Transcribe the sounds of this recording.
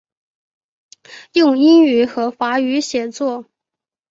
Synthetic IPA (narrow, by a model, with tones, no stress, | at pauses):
jʊ˥˧ŋi˥ŋy˨˥xɤ˧˥fa˧˥y˧˥ɕjɛ˨˩t͡swɔ˥˩